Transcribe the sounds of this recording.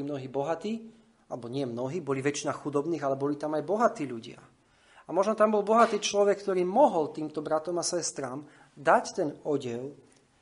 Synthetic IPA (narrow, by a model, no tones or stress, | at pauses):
imnɔɦiːbɔɦat̪iː | alɛbɔɲɪɛmnɔɦiːbɔliʋɛt͡ʃinaxud̪ɔbniːɣalɛbɔlit̪amajbɔɦat̪iːʎuɟɪa̰ | amɔʒnɔt̪ambɔlbɔɦat̪iːt͡ʃlɔʋɛkːt̪ɔɾiːmɔɦɔlt̪iːmt̪ɔbɾat̪ɔmasʋɔɛst̪ɾam | d̪act̪ɛnɔɟɪɛl